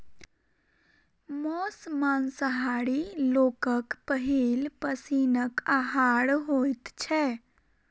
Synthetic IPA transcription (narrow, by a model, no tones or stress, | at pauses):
mɔsmansəɦaɽilokəkpəɦilpəsinəkaɦaɽɦojt̪t͡ʃʰɛ